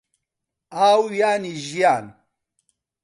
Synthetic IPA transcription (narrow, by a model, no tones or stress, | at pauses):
aːwjaːniʒijaːn